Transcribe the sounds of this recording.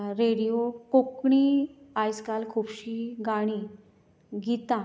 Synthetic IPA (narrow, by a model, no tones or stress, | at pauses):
ɾeɽijokokɳiajskalkʰupɕiːɡaɽ̃i | ɡʱit̪ã